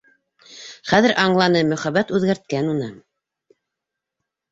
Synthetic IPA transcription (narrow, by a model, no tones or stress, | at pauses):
χæðɘɾʔɑɴlˠɑnɤmɵ̆χæβæt̪ʉðɡæɾt̪̚kænunɤ